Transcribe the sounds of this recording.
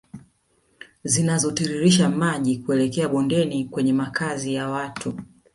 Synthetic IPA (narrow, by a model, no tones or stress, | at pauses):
zinazɔtiɾiɾiʃamaʄikuɛlɛkɛaɓɔndɛnikwɛɲɛmakazijawatu